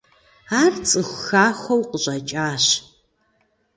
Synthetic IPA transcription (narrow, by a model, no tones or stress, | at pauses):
aːrt͡sʼɨxʷxaːxʷɐwqʼəɕʼɐt͡ʃʼaːɕ